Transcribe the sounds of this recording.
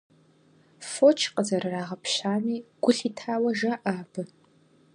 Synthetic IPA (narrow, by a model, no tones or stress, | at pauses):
fot͡ʃʰqʼəzɐrɨraːʁɐpʰɕaːniːɡ̥ʷʊɬiːtʰaːwɐʒɐʔaːbɨ